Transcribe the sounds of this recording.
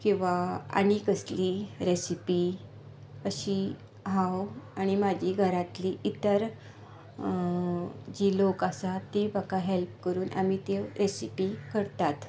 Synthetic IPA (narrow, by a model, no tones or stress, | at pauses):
kĩw̃ʋaa̰ɽ̃ikəsliːɾesipiː | əɕi | ɦawaɽ̃imad͡ʑʱiːɡʱəɾat̪liːʔit̪əɾ | d͡ʑiːlokəsat̪ːipakaɦelp̚kəɾuːnʔa̰m̤it̪eɾesipikəɾt̪at̪